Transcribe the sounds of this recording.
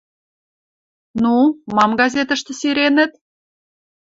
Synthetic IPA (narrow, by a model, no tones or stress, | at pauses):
numɑmɡɑzʲet̪ə̆ʃt̪ɤ̆siɾenə̆t̪̚